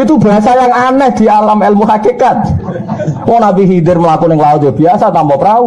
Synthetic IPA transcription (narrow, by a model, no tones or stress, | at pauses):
it̪uba̤sajaŋanɛhd̪̥i̤alamɛlmuɦakikat̪̚ | mɔnabiɦid̪ɪrməlakunɪŋlaʊt̪d͡ʒəb̥iasat̪ampɔpɾau